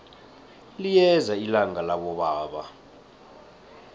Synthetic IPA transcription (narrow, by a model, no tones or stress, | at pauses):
lijɛzailaŋalaɓɔɓaːɓa